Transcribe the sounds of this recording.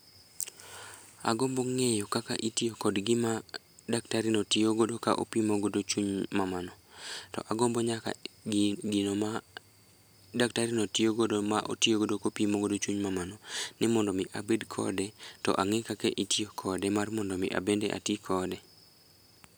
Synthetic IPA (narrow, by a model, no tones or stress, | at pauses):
a̰ɡombɔŋɛjɔkaka̰ʔitiokɔdɡɪma | daktaɾinotioɡodoka̰ʔo̰pimoɡodot͡ʃuɲmamanɔtɔ̰ʔaɡombɔɲaka̰ | ɡinoma | daktaɾinotioɡodomaʔo̰tioɡodokopimoɡodot͡ʃuɲmamanɔnɪmɔndɔmɪʔabedkʰɔ̰dɛtɔ̰ʔaŋɛkakeʔitiokʰɔdɛmarmɔndɔmɪʔa̰bendɛ̰ʔa̰tikʰɔdɛ